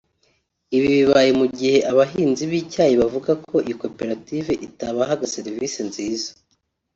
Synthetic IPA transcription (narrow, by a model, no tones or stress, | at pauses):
iβiβiβajemuɟihe̞ʔaβaɦiːnziβiːcaːjiβavuɡakʰo̞ʔiko̞pe̞ɾativeʔitaβaɦaɡase̞ɾiviːsenziːzḁ